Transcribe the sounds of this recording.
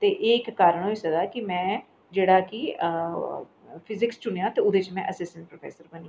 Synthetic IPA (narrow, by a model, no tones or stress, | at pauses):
t̪eːʔeːkːaːɾəɳoːisəɡaːkɪmɛ̃ː | d͡ʒeːɽaːkɪ | pʰɪzɪkst͡ʃʊnejãːt̪eːʊd̪eːt͡ʃmɛ̃ːʔəsɪsʈə̃ɳʈ̚pɾoːpʰɛ̰ːsəɾbəni